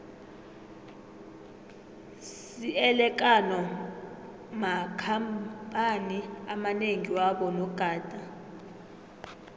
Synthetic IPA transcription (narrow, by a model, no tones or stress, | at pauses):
s | iɛlɛk̬ʼanɔ | makʰampʼaniamaneŋiwaɓɔnɔɡ̥ʱaːd̥ʱʼa